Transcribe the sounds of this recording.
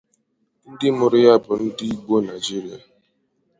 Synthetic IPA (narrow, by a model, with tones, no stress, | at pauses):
n̩˦dɪ˦mʊ˨ɾɪ˦ja˦bʊ˨n̩˦di˦i˦ɡ͡bo˦na˨d͡ʒi˦ɾi˦a˨